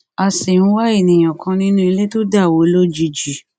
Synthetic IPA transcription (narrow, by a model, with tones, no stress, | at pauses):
a˧˨se˨nũ˦wa˦e˦˨nĩ˨j̃ã˨kʰã˧nĩ˦nũ˦e˧le˦to˦da˦˨wo˨˦lo˦d͡ʒi˧d͡ʒi˨